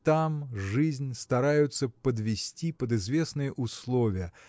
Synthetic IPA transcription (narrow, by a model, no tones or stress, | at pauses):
t̪amʐɨzʲnʲst̪ɐɾajʊt̪səpəd̪vʲɪsʲtʲipəd̪ɨzvʲe̞snɨjəʔʊslˠovʲɪjə